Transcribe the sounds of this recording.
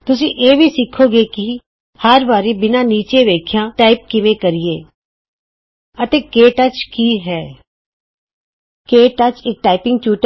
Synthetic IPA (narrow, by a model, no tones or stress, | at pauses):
t̪ʊs̬ĩʔeːbʱisɪkʰoɡeki | həɾbaːɾibɪnaniːt͡ʃeʋeːkʰjãʈaːɪp̚kɪʋẽkɐɾieː | ɐt̪ekeːʈɐt͡ʃkiɦɛː | keːʈɐt͡ʃeːk̚ʈaːɪpɪ̃ŋɡ̚t͡ʃuːʈ